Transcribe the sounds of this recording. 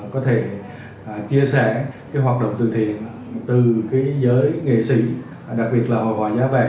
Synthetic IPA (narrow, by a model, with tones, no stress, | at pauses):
kɔ˨˦t̪ʰe˧˩˨ | t͡ɕi˧əsɛː˧˩kaː˨˦jɦwaː˨˩t̚ɗə̰˧˨wŋ͡mt̪ɨ̰˧˨˩t̪ʰḭ˧˨ən | t̪ɨ˨˩kaː˨˦jzəː˨˦jŋḛ˧˨sḭ˧˩ | ɗa˨˩k̚ɓi˨˩ət̚laː˨˩mo̰˨˩vɔ̰ː˧˨˩jzaː˨˦vaː˨˩